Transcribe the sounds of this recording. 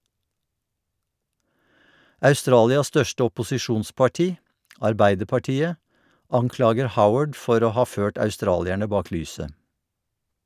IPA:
ʔɑʉˈstɾɑːlɪɑs ˈstœʃtə ɔpʊsɪˈʃuːnspɑˌʈiː ɑɹˈbæɪdəɹpɑˌʈiːə ˈɑŋˌklɑːɡəɹ ˈhaʊəd ˈfɔɾ ˈoː ˈhɑː ˈføːʈ ɑʉˈstɾɑːlɪɛɳə ˈbɑːk ˈlyːsə

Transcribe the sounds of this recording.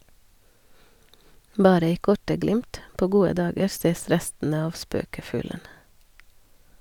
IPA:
ˈbɑːɾə ˈiː ˈkɔʈə ˈɡlɪmt ˈpoː ˈɡuːə ˈdɑːɡəɾ ˈseːs ˈɾɛstn̩ə ˈɑʋ ˈspøːkəˌfʉːlən

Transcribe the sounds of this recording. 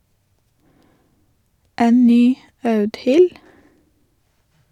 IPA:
ˈeːn ˈnyː ˈɑʉdhɪl

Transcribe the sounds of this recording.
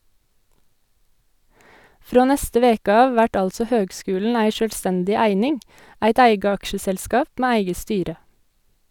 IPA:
ˈfɾoː ˈnɛstə ˈʋeːkə ˈɑːʋ ˈʋæʈ ˈɑlsɔ ˈhøːɡˌskʉːlɳ̩ ˈæɪ ˈʃøːlˌstɛndɪ ˈæɪnɪŋ ˈæɪt ˈæɪɡə ˈɑkʃəsɛlˌskɑːp ˈmeː ˈæɪɡə ˈstyːɾə

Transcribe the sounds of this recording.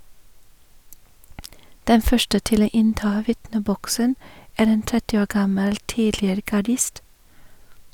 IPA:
ˈdɛn ˈfœʃʈə ˈtɪl ˈoː ˈɪnˌtɑː ˈʋɪtnəˌbɔksən ˈæːɾ ˈeːn ˈtɛtɪ ˈoː ˈɡɑməl ˈtiːdlɪəɾə ɡɑˈɖɪst

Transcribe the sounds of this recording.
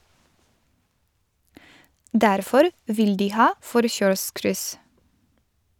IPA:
ˈdæɾfɔɾ ˈʋɪl ˈdiː ˈhɑː ˈfɔɾçœɹˌskɾʏs

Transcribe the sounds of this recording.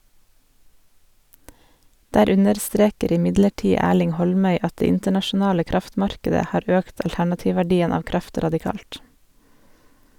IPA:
ˈdæːɾ ˈʉnəɾˌstɾeːkəɾ ɪˈmɪdləˌʈiː ˈæːɭɪŋ ˈhɔlˌmœʏ ˈɑt ˈdeː ˈɪntəɳɑʃʊˌnɑːlə ˈkɾɑftˌmɑɾkədə ˈhɑːɾ ˈøːkt ɑlˈtæɳɑˌtiːʋʋæˌɖiːən ˈɑːʋ ˈkɾɑft ɾɑdɪˈkɑːlt

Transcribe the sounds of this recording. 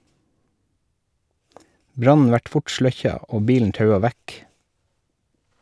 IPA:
ˈbɾɑnn̩ ˈʋæʈ ˈfʊʈ ˈʃɭœçɑ ˈoː ˈbiːln̩ ˈtɑʉɑ ˈʋæk

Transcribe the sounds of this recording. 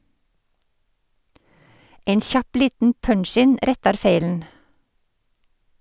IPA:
ˈeɪn ˈçɑp ˈliːtn̩ ˈpœɳˌʃɪn ˈʔɾɛtɑɾ ˈfeɪln̩

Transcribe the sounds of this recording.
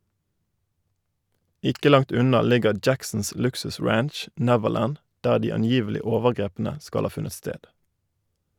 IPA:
ˈɪkə ˈlɑŋt ˈʉnɑ ˈlɪɡəʁ ˈd͡ʒæksn̩s ˈlʉksʉˌsʁænʃ ˈnɛʋəˌlæn ˈdæː ˈdiː ɑnˈjiːʋəlɪ ˈoːʋəʁˌɡʁeːpnə ˈskɑl ˈhɑː ˈfʉnət ˈsteːd

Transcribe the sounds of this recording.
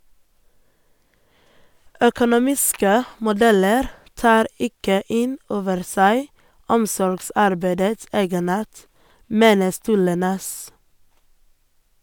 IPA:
œkʊnʊˈmiːskə mʊˈdɛləɾ ˈtɑːɾ ˈɪkə ˈɪn ˈoːʋəɾ ˈsæɪ ˈɔmsɔɾɡˌsɑɾbæɪdəts ˈeːɡəˌnɑːʈ ˈmeːnə ˈstʉːɭə ˈnɛs

